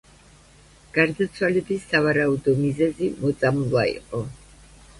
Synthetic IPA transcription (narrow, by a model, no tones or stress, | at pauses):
ɡ̥aɾd̪at̪sʰwalɛbisavaɾaud̪ɔmizɛzimɔt̪sʼamlˠwaḭqʼɔ